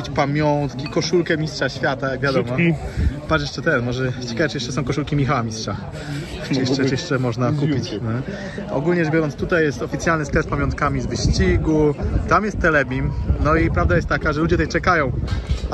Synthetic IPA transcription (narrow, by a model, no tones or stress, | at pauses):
t͡ɕpamʲjɔnt̪kʲikɔʂulkɛmʲistʂaɕfʲjat̪ajaɡvjad̪ɔmɔpat͡ʃjɛʂɛt̪ɛnmɔʐɛt͡ɕɛkajɛt͡ʃjɛʂt͡ʂːɛsɔ̃w̃kɔʂulkʲimʲixawamʲistʂa | jɛt͡ʃɛjɛʂt͡ʂɛmɔʐnakupʲit͡ɕnɛ | ɔ̰ɡulɲɛɛʐbʲjɔɾɔnst̪ut̪ajːɛst̪ɔfʲit̪sʲjalnɘsklɛs̚pamʲjɔnt̪̚kamʲizvɘɕt͡ɕiɡut̪amjɛst̪ːɛlɛbʲimnɔipɾavd̪ajɛst̪t̪ːakaʐɛlud͡ʑɛt̪ɛjt͡ʂɛkajɔ̃w̃